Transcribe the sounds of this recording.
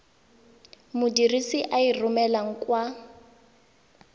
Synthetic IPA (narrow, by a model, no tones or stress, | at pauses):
mʊdirisiʔairʊmɛlaŋ̩kwa